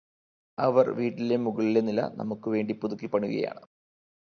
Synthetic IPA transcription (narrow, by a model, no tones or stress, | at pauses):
ɐʋɐrʋiːʈːilemuɣɐɭilenilɐ̰nʔɐ̰mukːɨʋe̞ːɳɖipuðukːipːɐɳuɣɐ̰ja̰ːɳɨ